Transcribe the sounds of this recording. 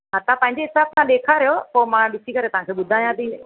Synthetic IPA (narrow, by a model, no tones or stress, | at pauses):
ɦɐt̪ãpɐ̃ɦɪ̃ɲd͡ʑeɦɪsaːb̚t̪ãɗeːkʰaɾijopoːmãɗɪsikɐɾet̪ɐʋ̤ɦãŋkʰeːɓʊd̪ʱaːjãt̪ʰĩː